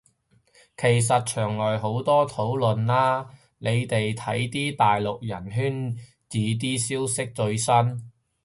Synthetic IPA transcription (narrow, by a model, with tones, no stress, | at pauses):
kʰe˨˩js̬ɐ˨t̚t͡ʃʰœː˨˩ŋlɔː˨jɦo˨˥wt̪ɔː˥t̪ʰo˨˥wlɵ˨nlaː˥ | ne˨˧jt̪e˨jt̪ʰɐ˨˥jt̪iː˥t̪aː˨jlʊ˨k̚jɐ˨˩nɦyː˥n | t͡siː˨˧t̪̬iː˥siː˥wsɪ˥k̚t͡ʃɵ˧ɥsɐ˥n